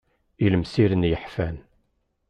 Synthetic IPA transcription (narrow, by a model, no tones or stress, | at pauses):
iləmsiɾənjəħfæn